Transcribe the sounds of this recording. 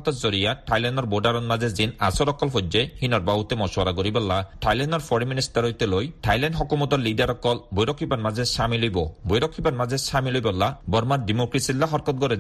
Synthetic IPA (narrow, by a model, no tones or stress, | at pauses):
t̪ɔtzɔɾijaʈʰajlanɖɔɾboɖaɾɔnmazezinasɔɾɔkːɔlfʰɔd͡ʒehinɔɾbaɦut̪emɔswaɾaɡɔɾibɔlːaʈʰajlanɔɾpʰɔɾiministaɾojt̪elojʈʰajlanɖɦɔkɔmɔt̪ɔɾlidaɾɔkɔlbɔjɾɔkʰːibanmazesamilojbɔbɔjɾɔkʰːibanmazesamilojbɔlːabɔɾmaɾdimokɾisilːaɦɔɾkɔt̪̚ɡɔɾe